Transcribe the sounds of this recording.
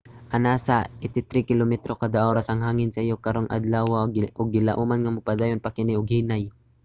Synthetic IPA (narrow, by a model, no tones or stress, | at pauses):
ʔɐnaːsaʔɪt̪ɪt̪ɾikɪlomɛt̪ɾokad̪aʔoːɾasɐŋɦaːŋɪnsɐʔɪjokɐɾoŋʔɐ̰d̪lawaʔʊɡ̚ːɪlaʔuːmanŋamʊpad̪aːjonpakɪnɪʊɡhiːnaj